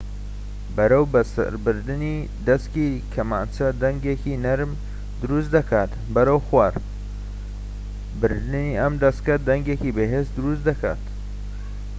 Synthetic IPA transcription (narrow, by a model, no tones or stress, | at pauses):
bɐɾɐwbɐsɐ̰ɾbɨɾd̪ɨni | d̪ɐskikʰɐmaːnt͡ʃɐd̪ɐŋɡekinɐɾm | d̪ʊɾus̬d̪ɐkʰaːt̪ | bɐɾɐwxwaɾ | bɨɾd̪ɨniʔɐmd̪ɐskɐd̪ɐŋɡekibeɦesd̪ɨɾusd̪ɐkʰa̰ːt̪